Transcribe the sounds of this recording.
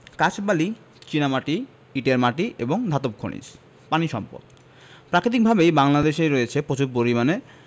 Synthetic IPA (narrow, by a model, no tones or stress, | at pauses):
kat͡ɕʰbali | t͡ɕinamaʈi | iʈeɾmaʈiʔḛboŋd̪ʱat̪op̚kʰo̰ɽḭd͡ʑ | paniʃɔmpo̰d̪̚ | pɾakɾit̪̬ik̚bʱabejbaŋlad̪eʃejɾoet͡ɕʰepot͡ɕuɾpoɾimane